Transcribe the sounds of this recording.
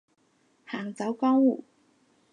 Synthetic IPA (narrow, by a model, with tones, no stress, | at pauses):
haː˨˩ŋt͡sɐ˨˥wkɔː˥ŋwu˨˩